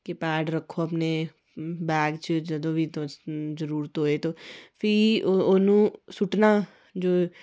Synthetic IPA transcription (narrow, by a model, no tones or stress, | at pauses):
kepɛːɖɾəkʰːoːəpneː | bɛːɡt͡ʃd͡ʒəd̪õːʋiːt̪õzəɾuːɾt̪ɦoːeːt̪oːpʰɪoːnũːsʊʈnaː | d͡ʒoː